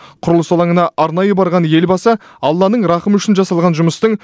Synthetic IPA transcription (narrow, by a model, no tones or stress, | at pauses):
qʰʊɾəlˠəsolˠɑɴənɑʔɑɾnɑjəbɑɾʁɑnje̞lbɑsɑɑlˠːɑnəɴɾɑχəmʏʃɪnʒɑsɑlˠʁɑnʒʊməst̪əɴ